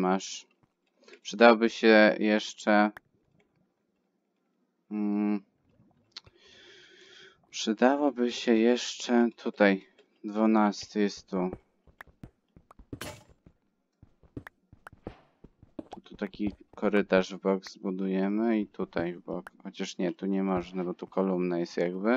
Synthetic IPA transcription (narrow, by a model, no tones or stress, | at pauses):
maʂ | pʂɘd̪awɔbɘɕɛjɛʂt͡ʂɛ | pʂɘd̪awɔbɘɕɛjɛʂt͡ʂɛt̪ʰut̪aj | d̪vunast̪ɘjɛst̪ːu | t̪t̪ut̪akʲikʰɔɾɘt̪aʐvbɔɡzzzbud̪ujɛmɘit̪ut̪ajvbɔkxɔt͡ɕaʂɲɛt̪uɲɛmɔʐnɛbɔt̪ukɔlumnajɛst̪jaɡbɘ